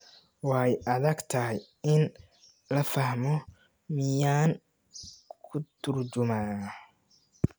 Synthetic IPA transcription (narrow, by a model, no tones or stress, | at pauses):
wɑɛjʔɐðɐɡt̪ʰɐɦɛj | ɪn | lɐfɐhmɔ | mɪjaːŋ | kʰʊt̪ʰʊrt͡ʃʊmaːn